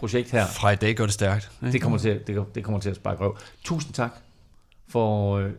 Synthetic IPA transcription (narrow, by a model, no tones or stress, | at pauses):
pʰʁo̝ɕeɡ̥d̥hæɐ̰fʁɑ̈id̥ɛ̰ːɡ̥œɐɾ̥esd̥æɐɡ̥̚d̥d̥e̝kʰɒ̽mɐt͡sʰe̝d̥e̝d̥e̝kʰɒ̽m̰ɐt͡sʰe̝æsb̥ɑ̈ːɡ̥ʁɛʊt͡sʰṵːsn̩t͡sʰɑ̈ɡ̥ | fɒ